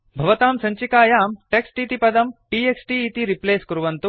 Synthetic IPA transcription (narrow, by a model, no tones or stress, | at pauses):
bʱɐʋɐt̪aːmsɐɲt͡ʃikaːjaːmʈeksʈit̪ipɐd̪ɐmʈiːeksʈiːt̪iɾipleːskuɾuʋɐnt̪u